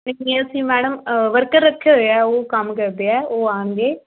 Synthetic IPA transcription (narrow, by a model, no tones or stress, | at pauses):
nẽkiəsĩːmɛːɽ̃əmʋəɾkəɾːəkʰːjaːɦojaoːkəmkəɾd̪eːɛːoːaːɳɡeː